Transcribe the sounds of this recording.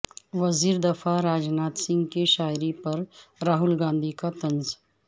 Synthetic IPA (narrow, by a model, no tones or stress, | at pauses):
ʋɐziːɾd̪ɐfʰaɾaːd͡ʒnaːt̪sɪ̃ŋɡkeʃaːjɾipɐɾɾaːɦʊlɡãːnd̪ʱikat̪ɐ̃nz